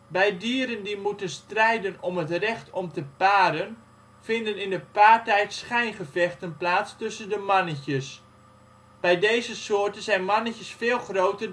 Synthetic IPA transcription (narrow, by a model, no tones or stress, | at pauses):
bɛjdiːəɾəndimutənstrɛjdənɔmɦətrɛχtʰɔmtəpaːɾən | fɪndənɪndəpaːrtɛjtsχɛjnχəfɛxtənplaːstɵsəndəmɑnəçəs | b̥ɛjdejzəsoərtənzɛjnmɑnəcəsfɪːlˠχrowtə